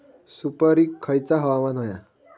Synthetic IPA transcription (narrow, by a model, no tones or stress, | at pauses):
supəɾiːkʰːəjt͡saɦəʋamanɦoja